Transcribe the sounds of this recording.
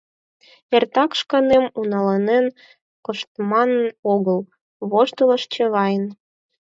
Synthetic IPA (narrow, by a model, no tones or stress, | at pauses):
ert̪ɑkʃkɑnemunɑlɑnen | koʃt̪mɑnoɣəl | βoʃt̪ələʃt͡ɕĕβɑjn